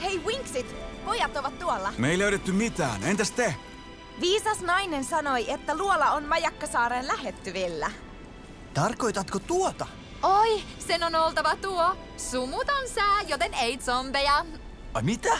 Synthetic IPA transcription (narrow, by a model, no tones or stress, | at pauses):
hejwiŋksit̪po̞jɑt̪oʋɑt̪ːuolːɑmeiløyɾet̪ːymit̪æ̰ːnent̪æst̪ehny | ʋiːsɑsnɑjnensɑnojet̪ːæluolɑonmɑjɑkːɑsɑːɾenlæhet̪ːyʋilːæ | t̪ɑrkojt̪ɑt̪kot̪uot̪ɑ | oj | senonolt̪ɑʋɑt̪uo | sumut̪onsæːjot̪enejt̪sompejɑ | ɑmit̪æ